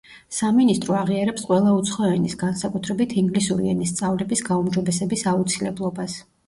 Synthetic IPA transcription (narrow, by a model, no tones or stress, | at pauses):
saminist̪ʼɾɔaʁiaɾɛpsqʼwɛlˠaut̪sʰχɔɛnisɡansakʼut̪ʰɾɛbit̪ʰiŋɡlisuɾiɛnist̪sʼavlɛbisɡaumd͡ʒɔbɛsɛbisaut̪sʰilɛblˠɔbas